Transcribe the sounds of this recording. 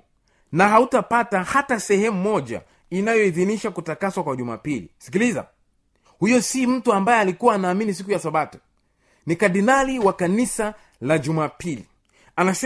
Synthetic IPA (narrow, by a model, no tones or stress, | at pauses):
naɦautapatahatasɛhɛmumɔʄa̰ | inajɔiðiniʃakutakaswakwaʄuma̰ːpilḭsi̥kiliza̰ | hujɔsim̩tuambajɛalikuwaːnaːminis̬ikujasaɓatu̥ | nikaɗinaliwakanisa | laʄumaːpili | anas